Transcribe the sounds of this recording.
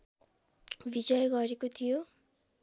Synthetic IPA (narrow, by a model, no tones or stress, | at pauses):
bid͡zʌjɡʌɾekot̪ʰijo